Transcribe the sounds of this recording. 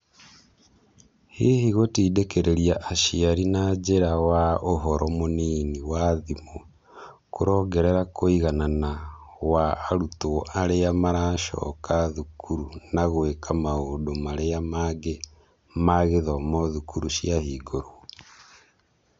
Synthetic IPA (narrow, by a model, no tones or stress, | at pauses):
hehiɣotiːdekeɾeɾiaʔaʃiaɾinad͡ʒeɾawaoɦɔɾʔɔmoniːniwaðimo | koɾɔːɡɛɾeɾakoiɣananawaːɾutoaɾeamaɾaːʃɔ̰ːkaðukuɾunaɣwekʰamaoːdomaɾeamaɡe | maɣeðɔmɔðukuɾuʃiahiːɡoɾo